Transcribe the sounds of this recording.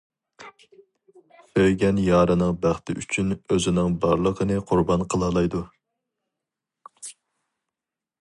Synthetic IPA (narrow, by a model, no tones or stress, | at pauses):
søjɡʲɛnjɑːɾɨnɨŋbæχt̪ʰɪʔy̰t͡ʃʰynøzɪnɪŋbɑɾlˠəqʰənɨqʰʊɾbɑnqʰəlˠɑlˠɑjd̪u